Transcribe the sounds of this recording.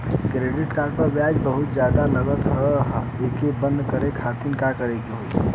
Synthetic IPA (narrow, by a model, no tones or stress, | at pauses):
kɾeːɖɪʈkaːɾɖ̚pəɾbjaːd͡ʒbəɦʊt̪d͡ʒjaːd̪alɐɡət̪ɦəeːkebə̃nd̪kəɾekʰaːt̪inkakəɾeɡiɦoi